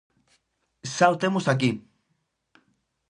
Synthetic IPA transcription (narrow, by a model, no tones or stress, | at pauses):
sawt̪emusak̬i